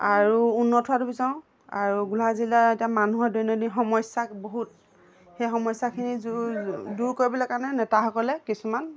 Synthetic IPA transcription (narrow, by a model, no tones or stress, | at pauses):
aɹuunːɔtʰʊwatubizaʊ̃ | a̰ɹuɡulazilaetijamanuɦɔɹdɔnɔdixɔmɔjsakboɦut̚ | xejxɔmɔjsakʰinizduɹkoɹibɔlɛkaɹnɛnɛtaxɔkɔlɛkisuman